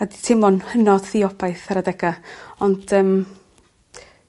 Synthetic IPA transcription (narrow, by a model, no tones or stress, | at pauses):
aditʰɪmɔnhənɔd̥θiɔbajθaɾadɛɡaɔnd̥əːm